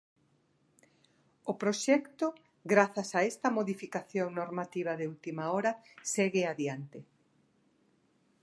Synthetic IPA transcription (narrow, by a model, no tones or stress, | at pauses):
opɾoʃɛkt̪o | ɡɾaθasaɛst̪ɐmoðifikaθjoŋnoɾmat̪iβ̞ɐðeult̪imaoɾɐseɣɪaðjant̪ɪ